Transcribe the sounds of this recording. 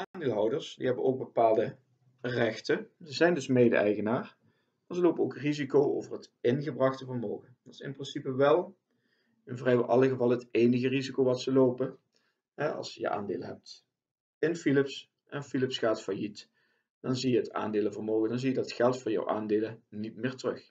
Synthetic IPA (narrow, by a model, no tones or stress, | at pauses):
ʔaːndɪːlˠɦɑwdəɹsdḭɦɛbənowɡ̚bəpaːlˠdə | rɛxtəzəzɛjndɵsmejdə̰ɛ̰jɣənaːr | maːɹzəlowpənowkrizikowo̰wvərɦətɪnɣəbrɑxtəvərmowɣədɑtɪ̥sɪ̰nprɪnsipəʋɛlˠ | ɪnvrɛjʔɑlˠəɣəvɑlˠəɦətejnəɣərizikowʋɑtsəlowpə | ɦɛʔɑ̰lˠsjə̰ʔa̰ːndḛːləɦɛp̚t | ɪnfilɪps | ʔɛnfilɪpsχaːtfajit | d̥ɑnzijəɦəta̰ːndɪːləvərmowɣəndɑnzijədɑtxɛlˠtfʊːɹjɑ̰wʔa̰ːndeːlənitmɪːrtərɵx